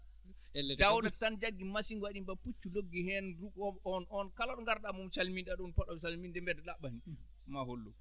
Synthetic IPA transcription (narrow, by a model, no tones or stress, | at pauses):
ɛldawdatand͡ʒaɡːimasiŋwaɗimbaput͡ʃːuloɡːihɛnɾuɡɔɔnɔnkalaɗɔŋɡaɾɗamumt͡ʃalminɗaɗunpɔɗɔsalmindɛmbɛdɛlaɓani | maholːɔ̰